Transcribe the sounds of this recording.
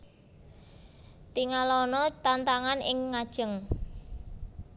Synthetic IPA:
t̪iŋalɔnɔt̪ant̪aŋanʔɪŋːad̥ʒ̥əŋ

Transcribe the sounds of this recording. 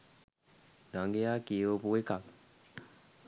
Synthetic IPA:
d̪aŋɡejaːkiʋopuekak

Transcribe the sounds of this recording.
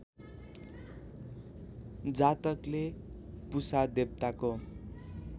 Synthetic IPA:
d͡zat̪ʌklepusad̪eb̚t̪ako

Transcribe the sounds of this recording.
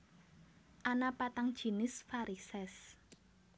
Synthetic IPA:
ʔanapat̪aŋd̥ʒ̥i̤nɪsfaɾisɛs

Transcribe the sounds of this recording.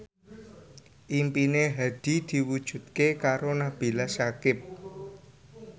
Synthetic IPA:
ʔimpineɦad̪̥i̤d̪̥i̤wud̥ʒ̥ṳt̪kekaɾonab̥i̤lasakɪp̚

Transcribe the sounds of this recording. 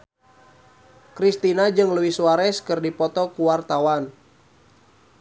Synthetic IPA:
kɾist̪inad͡ʒɨŋləwihsuaɾɛskɨrdipɔt̪ɔkuwart̪awan

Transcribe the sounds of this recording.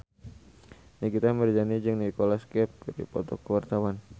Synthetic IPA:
niɡit̪amərd͡ʒanid͡ʒɨŋnikolaskɛp̚kɨɾḭpɔt̪ɔkəwart̪awan

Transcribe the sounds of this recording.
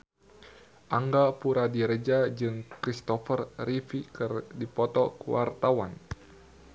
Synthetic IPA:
ʔaŋɡapuɾadiɾəd͡ʒad͡ʒɨŋkɾist̪ɔfərɾifikɨrdipɔt̪ɔkuwa̰rt̪awa̰n

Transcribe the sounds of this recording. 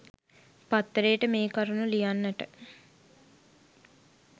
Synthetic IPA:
pat̪ːɾeːəʈəmeːkaɾunulijanːəʈə

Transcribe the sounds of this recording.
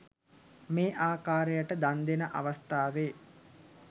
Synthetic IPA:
meːʔaːkaːɾejaʈəd̪and̪enəʔa̰ʋast̪aːʋeː

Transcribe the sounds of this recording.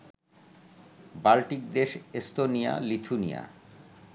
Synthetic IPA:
balʈik̚d̪eʃest̪onija̰lit̪ʰunḭja̰

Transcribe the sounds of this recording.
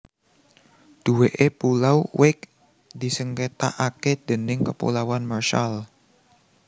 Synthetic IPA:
d̪̥uweʔepulawwɪk̚ | d̪̥i̤səŋket̪a̰ʔaked̪̥ə̤nɪŋkəpṵlawanmarʃal

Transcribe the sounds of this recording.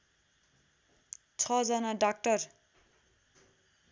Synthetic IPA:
t͡sʰʌd͡zʌnʌɖak̚ʈʌr

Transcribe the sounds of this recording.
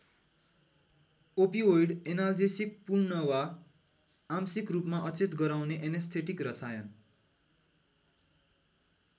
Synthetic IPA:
opiojɽenald͡zesik̚purnʌwa | amsikrupmaʔʌt͡set̪ɡʌɾawneʔenest̪ʰeʈikrʌsajʌn

